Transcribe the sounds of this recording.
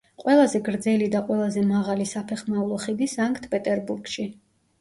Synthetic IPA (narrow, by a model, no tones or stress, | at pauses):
qʼwɛlˠazɛɡɾd̪zɛlid̪aqʼwɛlˠazɛmaʁalisapʰɛχmaulˠɔχid̪isaŋkʰt̪ʰpʼɛt̪ʼɛɾbuɾɡʃi